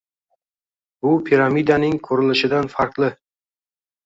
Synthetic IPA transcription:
bʊpʰiɾamid̪anɪŋkʰɵɾɪlɪʃɪd̪anfaɾqlˠɪ

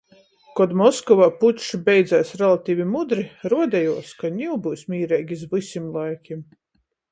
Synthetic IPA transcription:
kɔd̪mɔskɔvaːput̪ʃubʲɛjd̪zæːsɾɛlˠat̪iːvʲimud̪ɾiɾuɔd̪ɛjuɔskaɲʲiwbɨːsʲmʲiːɾɛjɡʲizvɨsʲimlˠajkʲim

